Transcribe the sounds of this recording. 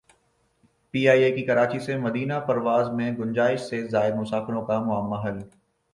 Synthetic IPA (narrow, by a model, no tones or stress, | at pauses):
piːaːiekikɐɾaːt͡ʃisemɐd̪iːnapɐɾʋaːzmẽɡʊnd͡ʒaːɪʃsezaːɪɾmʊsaːfɪɾõkamʊɦəmːaɦɐl